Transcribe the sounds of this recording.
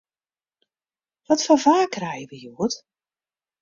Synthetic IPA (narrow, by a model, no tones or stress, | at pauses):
ʋɔtfɔvaːkrɛjəʋəjuət